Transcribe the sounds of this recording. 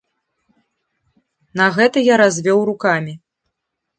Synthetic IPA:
nɐɣɛt̪ɐjaɾazʲvʲɔwrukamʲi

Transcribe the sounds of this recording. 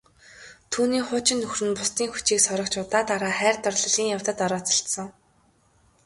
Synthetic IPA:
t̪ʰuːniːχʊːt͡ɕɪ̆nːɵxrɘ̆npʊst̪iːŋxut͡ɕiːksɔɾɞ̆kt͡ɕʊt̪aːt̪aɾaːχæːrt̪ɔrɮɞ̆ɮiːŋjaw̥t̪ə̆t̪ɔɾɔːt͡sɞ̥̆ɬt̪sə̆ŋ

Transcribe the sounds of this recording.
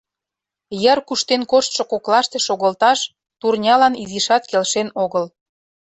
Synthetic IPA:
jərkuʃt̪enkoʃt̪ʃŏkoklɑʃt̪e̽ʃoɣəlt̪ɑʃ | t̪urnʲɑlɑniziʃɑt̪kelʃenoɣəl

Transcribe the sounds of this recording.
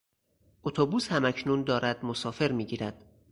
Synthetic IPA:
ʔot̪ʰobuːshæmæcʰnuːnd̪ɒːɾæd̪̥mo̞sɒːfe̞ɾmiːɟiːɾæd̪̥

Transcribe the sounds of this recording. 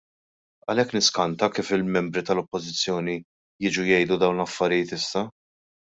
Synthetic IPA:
ɐlɛkːnɪskɐnt̪ɐkiːfɪlmɛmbɾit̪ɐlɔpːɔzɪt͡sːjɔːni | jɪːd͡ʒujɛjd̪ud̪ɐwnlɐfːɐɾɪjɪːt̪ɪsːɐ

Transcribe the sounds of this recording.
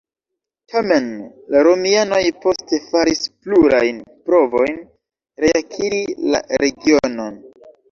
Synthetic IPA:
tʰame̞n | laɾo̞miano̞jpo̞ste̞faɾispluɾajnpɾo̞vo̞jn | ɾeakʰiɾila̰ɾe̞ɡiono̞n

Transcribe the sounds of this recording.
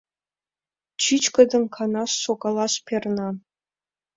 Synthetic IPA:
t͡ɕʰit͡ʃkə̆d̪ə̆mkʰɑnɑʃːoɡɑlˠɑʃpʲʰernɑ

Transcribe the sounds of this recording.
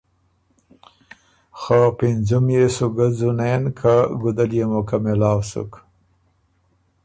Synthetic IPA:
xapɪnzumjesuɡazunenkʰaɡud̪aljemokamelɑːwsʊ̰k

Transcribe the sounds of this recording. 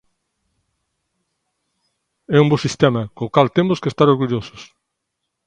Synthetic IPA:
ɛũmbosist̪ɛmɐkõːkalt̪emʊskest̪aɾoɾɣuʎosʊ̥s

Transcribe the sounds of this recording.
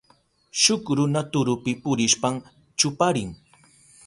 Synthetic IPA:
ʃʊkɾʊnat̪ʊɾʊpɪpʊɾɪʃpam | t͡ʃʊpaɾɪŋ

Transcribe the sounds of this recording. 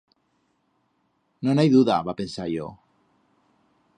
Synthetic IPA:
nõnajðuðaβapensajo̰

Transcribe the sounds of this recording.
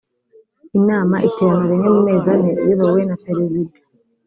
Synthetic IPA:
inaːmaʔiteɾamaβeɲemumeːzanejiβawenateɾevide̥

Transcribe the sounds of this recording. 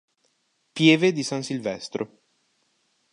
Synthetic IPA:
pjɛːved̪isansilvɛst̪ɾo

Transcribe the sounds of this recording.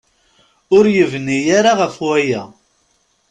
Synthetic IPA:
ʊɾjəvnijaɾaʁəfwæjæ

